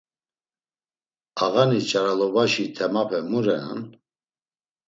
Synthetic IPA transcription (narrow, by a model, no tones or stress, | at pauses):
aɣanit͡ʃʼaɾalɔbaʃit̪ʰɛmapʰɛmuɾɛna̰n